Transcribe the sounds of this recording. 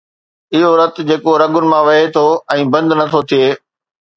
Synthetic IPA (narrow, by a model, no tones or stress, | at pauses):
ɪɦoɾɐt̪d͡ʑeːkoɾɐɠʊnɪ̆mãʋɐɦet̪ʰoɛ̃ːbɐ̃nd̪nɐt̪ʰot̪ʰijeː